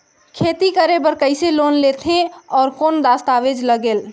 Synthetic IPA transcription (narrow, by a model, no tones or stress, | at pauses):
kʰet̪ikəɾebəɾkəɪselonlet̪ʰẽɔːɾkond̪ast̪aʋed͡ʒləɡeːl